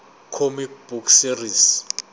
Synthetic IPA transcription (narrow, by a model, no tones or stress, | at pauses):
kʰomib̥ukʰsiris